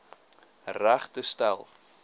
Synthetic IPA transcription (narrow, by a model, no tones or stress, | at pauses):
ræχtəstæ̰lˠ